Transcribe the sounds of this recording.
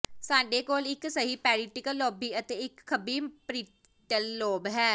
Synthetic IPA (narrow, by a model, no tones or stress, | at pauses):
saːɖeːkoːlɪksəɦiːpɛːɾiːʈɪkəlːoːbiːət̪eːɪkkʰːəbiːpɾiː | ʈəlːoːbɦɛː